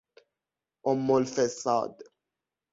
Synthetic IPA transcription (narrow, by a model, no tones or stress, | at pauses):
ɔmːɔlfɛsa̰d̪